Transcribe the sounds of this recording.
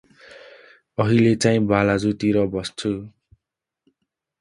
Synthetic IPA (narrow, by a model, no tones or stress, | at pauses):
ʌɦilet͡saĩbalad͡zut̪iɾʌbʌst͡sʰu